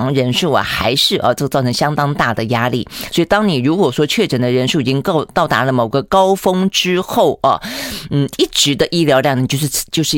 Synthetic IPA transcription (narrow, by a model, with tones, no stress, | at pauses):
ŋɻə˧˥nʂu˥˩ɐ̰˨˩xa˧˥ɪʂɻ̩˥˩ʔə̰˧ʈ͡ʂɤ˥˧t͡sɑ˥˩ʊɤ˧˥ŋɕjɑ˥ŋt̪ɑ˥ŋt̪a˥˩d̪ə˩ja˥lḭ˥˩swɔ˧˥i˨˩t̪ɑ˥ŋni˨˩ɻu˧˥kwɔ˨˩ʂwɔ˥t͡ɕʰɥɛ˥˩ʈ͡ʂə˨˩nd̪ə˦ɻə˧˥nʂu˥˩i˨˩t͡ɕi˥ŋ˥˩t̪ɑ˥˩ʊt̪a̰˧˥lə˧˨mo˨˩ʊɡə˧˦kɑ˥ʊfɤ˥ŋʈ͡ʂɻ̩˥xo˥˩ʊʔɐ̰˩n̩˥˩i˥˩ʈ͡ʂɻ̩˧˥d̪ə˧ʔi˥ljɑ˧˥ʊljɑ˥˩ŋni˨˩t͡ɕjo˥˧ʊʂɻ̩˥˩t͡ɕjo˥˧ʊʂɻ̩˥˩